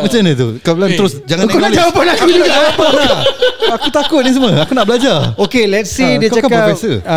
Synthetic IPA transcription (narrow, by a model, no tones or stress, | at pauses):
mãt͡ʃamnat̪̬ukaəlant̪əɾʊsd͡ʒaŋãkaaawpanakud͡ʒuɡaapanaakut̪akʊt̪̚nis̬əmə̃akunaʔbəlad͡ʒaokelɛt̪̚sidiəkt͡ʃakakaɔpɛsə